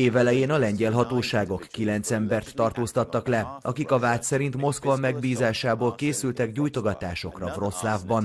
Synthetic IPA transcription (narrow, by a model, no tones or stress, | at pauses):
eːvɛlɛjeːnɒlɛɲɟɛlɦɒt̪oːʃaːɡo̞kːilɛnt̪sɛmbɛrt̪ːɒrt̪oːst̪ɒt̪ːɒklɛɒkikɒvaːt̪sɛɾint̪mo̞skvɒmɛɡbiːzaːʃaːboːlkeːsylt̪ɛɡɟuːjt̪o̞ɡɒt̪aːʃo̞krɒvro̞slaːvbɒn